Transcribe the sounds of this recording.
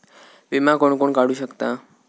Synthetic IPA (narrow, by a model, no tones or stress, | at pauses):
ʋimakoɳkoɳkaɽuɕəkt̪a